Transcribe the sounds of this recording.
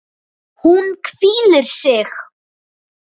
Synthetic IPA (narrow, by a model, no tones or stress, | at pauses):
hunkʰviːlɪɾ̥sɪx